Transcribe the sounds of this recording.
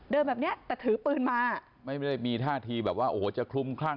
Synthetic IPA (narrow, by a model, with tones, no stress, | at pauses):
dɤː˧mbɛː˨˩ni˦˥ɐʔt̪ɛː˨˩t̪ʰɯː˩˦pɯː˨˩nmaː˧ | ma˥˩jm˥˩a˥˩jmiː˧t̪ʰaː˥˩t̪ʰiː˧bɛː˨˩p̚waː˥˩ʔoː˩˦t͡ɕa˨˩kʰu˧mkʰlaː˥˩ŋ